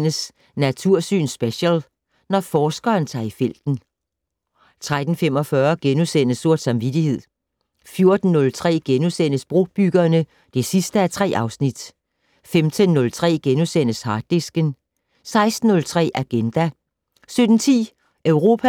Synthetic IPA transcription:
nəs | næt͡sʰuɐ̰sy̰ːnsb̥eɕəl | nɒfɒːsɡ̥ɐːnt͡sʰɑ̰̈ːifel̰d̥n̩ | t͡sʰʁad̥n̩fem̰ɒ̽fɶɐɡ̥enusen̰əso̝ɐ̰d̥sɑ̈mʋid̥ihe̝ð̞̰ˠ | fjo̝ɐd̥n̩ːɔ̽lt͡sʰʁɛ̰ːɡ̥enusenəsb̥ʁo̝b̥yɡ̥ɐːnə | d̥e̝sisd̥əæt͡sʰʁɛ̰ːʔɑ̈ʊsnid̥ | femt͡sʰənːɔ̽lt͡sʰʁɛ̰ːɡ̥enusen̰əshɑ̈ːd̥ːesɡ̥ən | sɑ̈ɪsd̥n̩ːɔ̽lt͡sʰʁɛ̰ːʔæɡ̥end̥æ | sød̥n̩t͡sʰḭː | ʔœʊʁo̝ːpʰæ

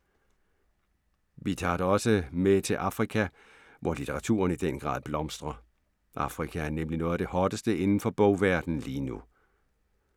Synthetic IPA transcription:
ʋit͡sʰɑ̰̈ːɾ̥eɒ̽səmet͡sʰe̝lʔɑ̈fʁikʰæ | ʋʔɒlit͡sʰeʁɑ̈t͡sʰṵːɐnid̥enɡ̥ʁɑ̰̈ːðˠb̥lɒ̽msd̥ʁɐ | ʔɑ̈fʁikʰææɐnemlinɔ̽ːð̩ˠæd̥e̝hɒːd̥əsd̥əe̝nn̩fɒ̽b̥ɔʊ̰ʋæɐ̰d̥n̩liːnu

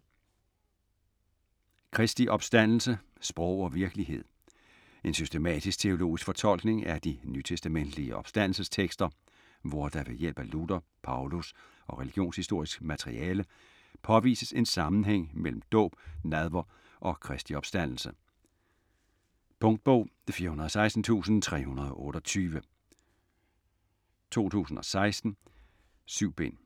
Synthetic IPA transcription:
kʰʁɛsd̥iʔɒ̽b̥sd̥æn̰l̩sə | sb̥ʁɔʊ̰ɒ̽ʋiɐɡ̥əliɦe̝ð̞̰ˠ | e̝nsysd̥emɛ̰ːd̥isɡ̥̚t͡sʰe̝o̝lo̝̰ːisɡ̥fɒ̽t͡sʰɒ̽l̰ɡ̥ne̝ŋæd̥inyt͡sʰesd̥æmen̰d̥liəʔɒ̽b̥sd̥æn̰l̩səst͡sʰeɡ̥sd̥ɐ | ʋɒd̥ɑ̈ʋe̝jel̰b̥əlud̥ɐpʰɑ̈ʊlus | ʔɒ̽ʁeliɡ̥jo̝̰ːnshisd̥o̝ɐ̰isɡ̥mæt͡sʰeʁḭʔɛːlə | pʰɒ̽ʋḭːsəse̝nsɑ̈mn̩ɦeŋ̰mel̰m̩d̥ɔ̰̽ːb̥̚næð̞ˠʋɐ | ʔɒ̽kʰʁɛsd̥iɒ̽b̥sd̥æn̰l̩sə | pʰɔ̽ŋd̥̚b̥ɔʊ̰fiːɐhunɐðˠɒsɑ̈ɪsd̥n̩t͡sʰṵːsn̩t͡sʰʁɛ̰ːhunɐð̞ˠɒ̽ʔɔ̽ːɾ̥ɒ̽t͡sʰyːʋə | t͡sʰo̝̰ːt͡sʰṵːs̬n̩ɒ̽sɑ̈ɪsd̥n̩ | syʊ̰b̥e̝n̰

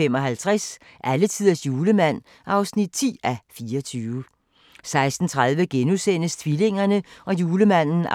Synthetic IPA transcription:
emɒ̽ɦælt͡sʰʁas | ʔælət͡sʰið̰ˠɐsjuːləmæn̰ | ʔɑ̈ʊsnid̥̚t͡sʰḭːæfiːɐɒt͡sʰyːʊə | sɑ̈ɪsd̥n̩t͡sʰʁɑ̈ð̞ˠʋəɡ̥enusen̰əst͡sʰʋile̝ŋ̰ɐnəɒ̽juːləmæn̰n̩

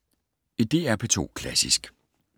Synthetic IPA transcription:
id̥e̝̰ːæɐpʰet͡sʰo̝̰ːkʰlæsisɡ̥

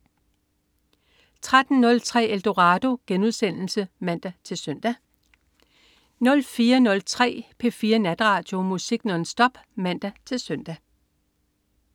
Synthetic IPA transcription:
t͡sʰʁad̥n̩nɔ̽lt͡sʰʁɛ̰ːeld̥o̝ʁɑ̈ːd̥o̝ɡ̥enuð̞ˠsen̰l̩səmæn̰d̥æt͡sʰe̝lsøn̰d̥æ | nɔ̽lfiːɐnɔ̽lt͡sʰʁɛ̰ːpʰe̝fiːɐnæd̥ʁɑ̈ːd̥jo̝musiɡ̥nɒ̽nsd̥ɒ̽b̥ | mæn̰d̥æt͡sʰe̝lsœn̰d̥æ

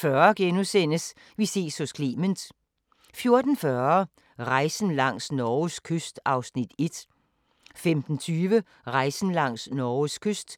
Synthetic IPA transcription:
fɶɐɡ̥enusen̰əs | ʋise̝̰ːshɔskʰlḭːmənd̥ | fjo̝ɐd̥n̩fɶɐ | ʁɑ̈ɪsn̩lɑ̈ŋ̰snɒskʰøsd̥ɑ̈ʊsnid̥e̝d̥ | femd̥n̩t͡sʰyːʋə | ʁɑ̈ɪsn̩lɑ̈ŋ̰snɒːʊskʰøsd̥

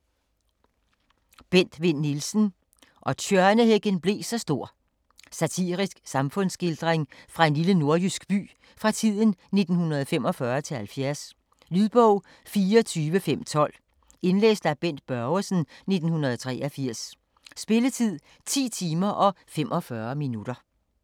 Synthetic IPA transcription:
b̥en̰d̥ʋe̝n̰ːilsn̩ | ʔɒ̽t͡ɕʰøɐnəheɡ̥ənb̥le̝ːsɒ̽sd̥o̝ɐ̰ | sæt͡sʰḭːʁisɡ̥sɑ̈mfɔ̽n̰sɡ̥eld̥ʁeŋfʁɑ̈e̝nliləno̝ɐjysɡ̥b̥y̰ː | fʁɑ̈t͡sʰið̞̰ˠn̩ne̝d̥n̩hunɐð̞̩ˠfem̰ɒ̽fɶɐt͡sʰe̝lhælfjæɐs | lyðˠb̥ɔʊ̰ | fiːɐɒt͡sʰyːʋəfem̰t͡sʰɒ̽l̰ | e̝nlḛːsd̥æb̥en̰d̥̚b̥ɶɐʊəsn̩ne̝d̥n̩hunɐð̩ˠt͡sʰʁɛ̰ːʔɐfiɐ̰sː | b̥e̝lət͡sʰið̞̰ˠ | t͡sʰḭːt͡sʰiːmɐʔɒ̽fem̰ʔɒ̽fɶɐminud̥ɐ

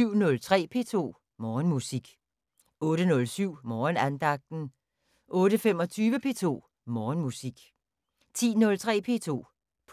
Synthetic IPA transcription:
yʊ̰nɔ̽lt͡sʰʁɛ̰ːpʰe̝ːt͡sʰo̝̰ː | mɒːnmusiɡ̥ | ɔ̽ːɾənɔ̽lsyʊ̰mɒːnænd̥ɑ̈ɡ̥̚d̥n̩ | ʔɔ̽ːɾəfem̰ɒ̽t͡sʰyːʋəpʰe̝̰ːt͡sʰo̝̰ː | mɒːnmusiɡ̥ | t͡sʰḭːnɔ̽lt͡sʰʁɛ̰ːpʰe̝̰ːt͡sʰo̝̰ː | pʰ

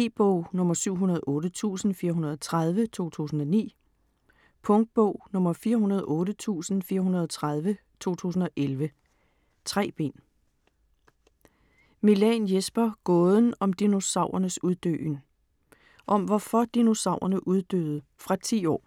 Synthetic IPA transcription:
e̝̰b̥ɔ̰ʊ̰nɔ̽mɐsyʊ̰ɦunɐð̞ˠʔɔ̽ːɾət͡sʰṵːsn̩fiːɐɦunɐð̞̩ˠɒt͡sʰʁað̞ˠʋət͡sʰo̝̰ːt͡sʰṵːsn̩ɒ̽nḭː | pʰɔŋd̥̚b̥ɔʊ̰nɔ̽mɐfiːɐɦunɐð̞ˠʔɔ̽ːɾət͡sʰṵːsn̩fiːɐɦunɐð̞ˠɒt͡sʰʁað̞ˠʋət͡sʰo̝̰ːt͡sʰṵːsn̩ɒ̽ʔelʋə | t͡sʰʁɛ̰ːb̥e̝̰n | milɛnjesb̥ɐɡ̥ɔ̽ːð̞ˠn̩ɒ̽md̥ino̝sɑ̈ʊ̰ɐnəsuð̞ˠd̥ø̰ːn | ʔɒ̽mʋɒfɒd̥ino̝sɑ̈ʊɐnəʔuð̞ˠd̥ø̰ð̞̩ˠəfʁɑ̈t͡sʰḭːɒ̰ː

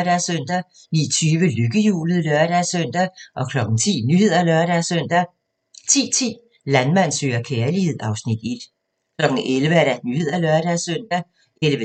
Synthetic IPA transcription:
ɾ̥æsøn̰d̥æ | nḭːt͡sʰyːʋəløɡ̥əjṵːlð̩ˠlœɐɾ̥æsøn̰d̥æʔɒ̽kʰlɒ̽ɡ̥n̩t͡sʰḭːnyhe̝ð̞ˠɐlœɐɾ̥æsøn̰d̥æ | t͡sʰḭːt͡sʰḭː | lænmæn̰sø̰ːɐkʰeːɐlihe̝ð̰ˠɑ̈ʊsnid̥e̝d̥ | kʰlɒ̽ɡ̥n̩elʋəæɐɾ̥ænyhe̝ð̞̰ˠɐlœɐɾ̥æsøn̰d̥æ | elʋə

